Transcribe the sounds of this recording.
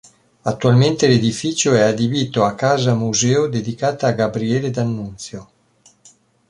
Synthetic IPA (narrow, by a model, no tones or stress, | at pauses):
at̪ːualment̪eled̪ifiːt͡ʃoɛad̪ibiːt̪oakːaːzamuzɛːod̪ed̪ikaːt̪aaɡabɾiɛːled̪anːunt̪sjo